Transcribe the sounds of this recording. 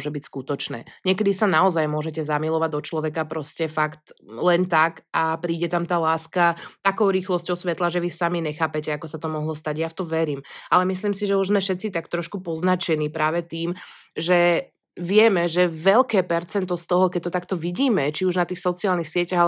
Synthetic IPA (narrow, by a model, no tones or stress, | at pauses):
ɔʒɛbicskut̪ɔt͡ʃnɛ̰ːɲɪɛkɛd̪isanaɔzajmʊɔʒɛcɛzamilɔʋaɟ̚d̪ɔt͡ʃlɔʋɛkapɾɔscɛfakt̪lɛnt̪akapɾiːɟɛt̪amt̪aːlaːskat̪akɔʊɾiːxlɔscɔʊsʋɛt̪laʒɛʋisamiɲɛxaːpɛcɛakɔsat̪ɔmɔɦlɔst̪aɟjaft̪ɔmʋɛɾiːmʔalɛmisliːmsiʒɛuʒzmɛʃɛt̪t͡sit̪akt̪ɾɔʃkupɔznat͡ʃɛniːpɾaːʋɛt̪iːmʒɛ | ʋɪɛmɛʒɛʋɛʎkɛːpɛɾt͡sɛnt̪ɔst̪ɔɦɔkɛc̚t̪ɔt̪akt̪ɔʋiɟiːmɛt͡ʃiuʒnat̪iːxsɔt͡siaːlnixsɪɛcaɦa